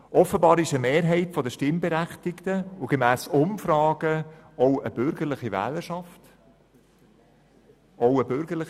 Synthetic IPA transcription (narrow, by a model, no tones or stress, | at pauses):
ʔɔfəbɑːɾɪʃəmeːɾɦɛɪtfɔdəʃtɪmbeɾæχtɪktəʊɡ̥emæːsʊmfɾɑːɡə | ɔʊʔəb̥ʏɾɡ̥əɾlɪχiʋæ̰ːləʃɑft | ʔoʊəbʏɾɡ̥əɾlɪ